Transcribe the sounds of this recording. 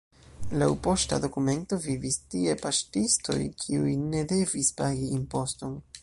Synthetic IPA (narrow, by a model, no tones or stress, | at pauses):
lawpo̞sta̰do̞kume̞nto̞vivistie̞paʃtisto̞̰jkʰiujne̞de̞vispaɡiimpo̞sto̞n